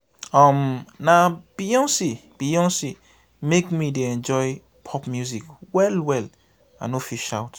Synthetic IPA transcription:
ɔmnab̥ijɔ̃nsib̥ijɔ̃nsi | mekmideɛ̃nd͡ʒɔj | pʰɔpmjuzikwɛlwɛl | a̰nofiʃawt

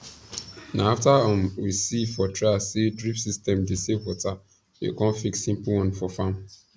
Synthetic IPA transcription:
naaftaɔ̃mwisifɔtɹeasedɹipsistɛ̃mdisewɔta | jḛkɔ̃nfiksːĩmpl̩wɔ̃nfɔfãm

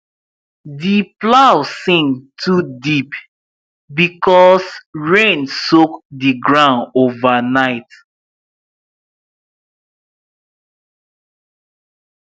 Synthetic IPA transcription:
diplawsĩŋtʰudip | bikɔsɹẽnsokdiɡɹãʊ̃novanaɪt

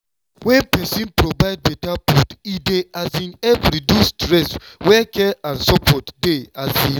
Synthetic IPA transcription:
wɛ̃npɛsĩnpɹovaɪd̚bɛtaputideazĩnɛfɹidustɹɛswɛkʰɛʔãnsɔpʰɔtdeazĩ

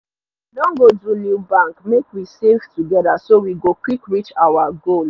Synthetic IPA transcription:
lɔ̃ŋɡodulibãŋkmekwisevtuɡɛðasowiɡokwikɹit͡ʃawaɡol

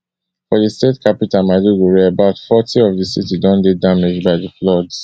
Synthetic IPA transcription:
fɔdistetkʰapitamaduɡuɹeabaʊtfɔtʰiɔvdisitidɔ̃ndedamɪd͡ʒbaɪdəflɔds

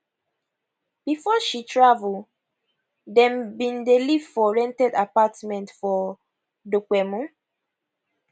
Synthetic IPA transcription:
b̥ifɔʃitɹavul | dɛ̃mbĩndelivfɔɹɛ̃ntɛdapatmɛ̃ntfɔ | dokɛmũ

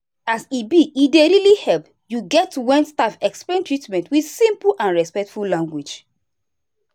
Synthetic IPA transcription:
asibiideɹilihɛlp | juɡɛtwɛ̃nstafɛksplẽntɹitmɛ̃ntwid̥sĩmpl̩ʔãnɹɛspɛk̚tfullãŋɡwid͡ʒ

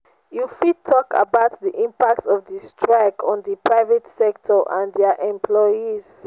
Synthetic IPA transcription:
jufitʰːɔka̰baʊtdiʔĩmpak̚tɔvdistʰɹaɪkʰɔ̃ndəpʰɹaɪvɛtsɛk̚tʰɔʔãndɛaʔɛ̃mpʰlɔjiz̥

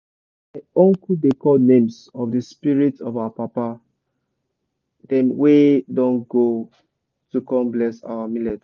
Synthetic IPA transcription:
maɪɔ̃ŋkudekɔlnẽmsɔvdəspiɹitɔvaapapa | dɛ̃mwedɔ̃nɡo | tukɔ̃mblɛsa̰wamilɛd

